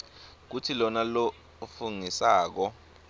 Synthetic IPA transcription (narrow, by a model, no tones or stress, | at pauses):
k̬utʰilɔnalɔ | fuŋisaːk̬ɔ